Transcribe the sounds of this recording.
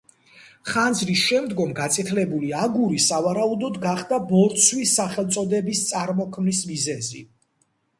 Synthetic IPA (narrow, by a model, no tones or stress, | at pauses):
χand̪zɾisʃɛmd̪ɡɔmɡat̪sʼɛt̪ʰlɛbuliaɡuɾisavaɾaud̪ɔd̪ɡaχd̪abɔɾt̪sʰwisːaχɛlˠt̪sʼɔd̪ɛbist̪sʼaɾmɔkʰmnismizɛzḭ